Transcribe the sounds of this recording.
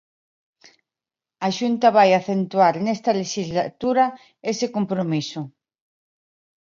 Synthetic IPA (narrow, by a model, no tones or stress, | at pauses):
aʃunt̪aβ̞ajaθent̪uaɾnest̪aleʃizlat̪uɾa | esekompɾomiso